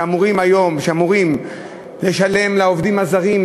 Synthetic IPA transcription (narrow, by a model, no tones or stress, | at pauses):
amuʁimajo̞mʃeamuʁim | le̞ʃale̞mlaovd̪imazaʁim